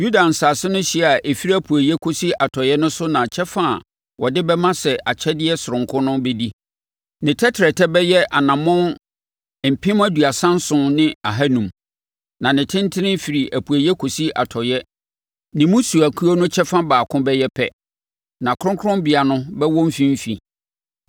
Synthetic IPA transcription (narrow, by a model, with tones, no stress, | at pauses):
ju˦da˨n̩˨saː˨sɪ˦nʊ̃˦ɕi˦˨a˨ʔe˨fi˦ɾi˦æ˦pʰu˨æ˨jɛ˦kʰo˨si˦ʔa˨tʰɔ˨jɛ˦nʊ̃˦sʊ˦nã˨t͡ɕʰɛ˦fã̰˦˨ | wʔɔ˨dɪ˦bɛ˦mã˦sɛ˨ʔa˨t͡ɕʰɛ˦dɪ˦ɛ˦sʊ˨ɾʊ̃˨ŋkʰʊ̃˦nʊ̃˦be˦di˦ | nɪ̃˨tʰɛ˦tʰɛ˨tʰɛ˦bɛ˦jɛ˦ʔa˨nã˨mʊ̃˦n | m̩˨pʰɪ̃˦mæ˦du˨a˨sã˦n˦sʊ̃˨˦nɪ̃˦a˨ɦa˦nũ˨m | nã˨nɪ̃˨tʰɪ̃˦n˦tʰɪ˦nɪ̃˦fi˨ɾi˨ʔæ˨pʰu˨æ˨jɛ˦kʰo˨si˦a̰˨tʰɔ˨jɛ˦ | nɪ̃˨mũ˦su˨æ˨kʰu˦o˦nʊ̃˦t͡ɕʰɛ˦fã˦baː˨kʰʊ̃˦bɛ˦jɛ˦pʰɛ̰˦ | nã˨kʰʊ˦ɾʊ̃˦ŋkʰʊ˦ɾʊ̃˦mbɪ˨a˨nʊ̃˦bɛ˦wɔ̃˦m̩˦fĩ˦m̩˦fḭ˨